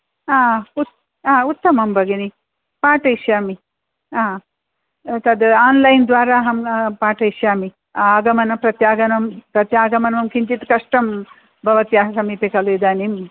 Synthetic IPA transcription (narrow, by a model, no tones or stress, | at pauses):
aːut̪ | aːut̪ːɐmɐmbɐɡeni | paːʈɐiʃjaːmi | aː | t̪ɐd̪aːnlɐjnd̪ʋaːɾaːɦɐmpaːʈɐiʃjaːmi | aːɡɐmɐnɐpɾɐt̪jaːɡɐnɐmpɾɐt̪jaːɡɐmɐnʋɐmkʰiɲt͡ʃit̪kɐʂʈɐm | bʱɐʋɐt̪jaːɦɐsɐmiːpikɐluid̪aːnim